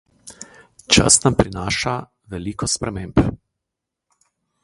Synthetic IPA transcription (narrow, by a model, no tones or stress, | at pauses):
t͡ʃa̰snampɾinaːʃa | ʋɛliːkɔspɾɛmeːmp